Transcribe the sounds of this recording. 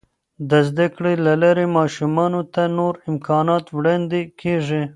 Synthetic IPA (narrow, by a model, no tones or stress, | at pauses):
d̪əzd̪akɽelalaɾemɑːʃumɑnot̪anoɾɪmkʰɑnɑt̪wɽɑnd̪ekʰeʐi